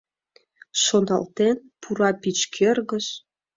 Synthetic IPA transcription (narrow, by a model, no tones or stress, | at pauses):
ʃonɑ̰lt̪enpʰuɾɑpit͡ɕkʰerɣə̆ʃ